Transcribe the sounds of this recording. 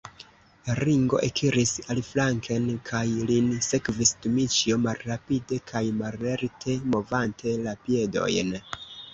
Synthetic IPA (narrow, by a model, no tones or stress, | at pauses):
laɾiŋɡo̞̰ʔekʰiɾisalflaŋkʰe̞nkʰajlinse̞kvisdumit͡ʃiomalːapide̞kʰajmalːeɾtʰe̞mo̞vantʰe̞lapie̞do̞̰jn